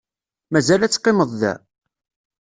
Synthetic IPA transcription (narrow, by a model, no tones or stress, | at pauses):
mæzælæt͡sːqːɪməðˤðæ̰